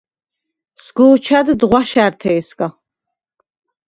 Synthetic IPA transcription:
sɡuːt͡ʃʰad̪d̪ʁʷwaʃaːɾt̪ʰɛjskʼa

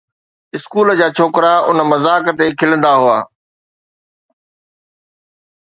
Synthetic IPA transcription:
ɪskuːld͡ʑaːt͡ɕʰoːkɾaʊnəmɐzaːkt̪ekʰɪlə̃nd̪aɦʊa̰ː

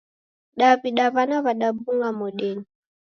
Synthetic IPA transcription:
ɗaβiɗaβanaβaɗabuŋɡamɔɗɛni

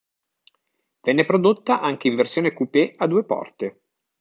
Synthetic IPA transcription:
vɛnːepɾod̪ot̪ːaʔaŋk̟eiɱversjoːnekupead̪ːuːepɔ̰rt̪e

